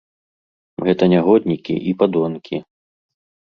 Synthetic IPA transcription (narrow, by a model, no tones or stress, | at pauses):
ɣɛt̪ɐnʲaɣɔd̪ʲnʲikʲḭʔipad̪ɔnkʲi